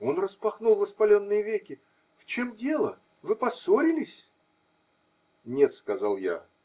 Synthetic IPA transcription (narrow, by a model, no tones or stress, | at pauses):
o̞nrəspɐxnulˠvəspɐlʲo̞nːɨjəvʲekʲɪ | ft͡ɕe̞mdʲe̞lˠə | vɨpɐso̞ɾʲɪlʲɪsʲ | nʲe̞t̪skɐzalˠja̰